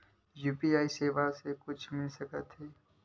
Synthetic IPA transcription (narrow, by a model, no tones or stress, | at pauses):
juːpiaːiseːʋasekʊt͡ʃʰmɪlsəkət̪ɦeː